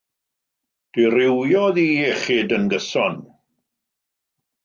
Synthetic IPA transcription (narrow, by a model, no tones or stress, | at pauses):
d̥ɪrɪwjɔðiːɛχiːdənɡəsɔn